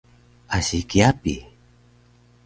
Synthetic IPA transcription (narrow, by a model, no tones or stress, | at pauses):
asikiapḭ